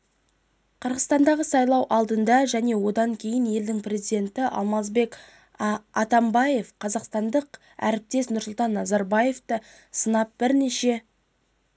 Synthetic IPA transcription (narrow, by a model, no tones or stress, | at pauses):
qʰəɾʁəzt̪ɑnd̪ɑʁəsɑjlˠɑwʔɑlˠd̪ənd̪ɑʒæne̞wo̞d̪ɑŋkʲʰe̞jɪnje̞ld̪ɪŋprʲe̞zid̪e̞nt̪ɪʔɑ̰lˠmɑzbe̞k | ɑt̪ɑmbɑje̞fqʰɑzɑqst̪ɑnd̪əq | æ̰ɾɪp̚t̪e̞snʊɾsʊlˠt̪ɑnːɑzɑɾbɑje̞ft̪ə | sənɑp̚bɪɾneʃe̞